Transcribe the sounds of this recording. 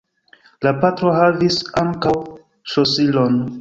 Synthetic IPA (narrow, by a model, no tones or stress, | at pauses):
lapatɾo̞ɦavisaŋkaw | sosilon